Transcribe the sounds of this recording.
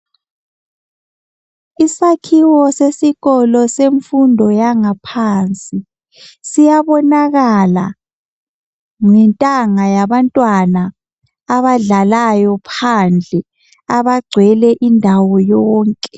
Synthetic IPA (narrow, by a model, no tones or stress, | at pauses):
isakʰiwɔsesiɣɔlɔseɱfundʱɔjaŋapʰaːnt͡sʼi | sijaβɔnaɣala | ŋɛntʼaŋajaβantʼwanaː | βaɮalajɔpʰand͡ɮʱɛ | aβaɡ͡ǀʱwɛlɛʔindʱawɔjɔːŋkʼɛ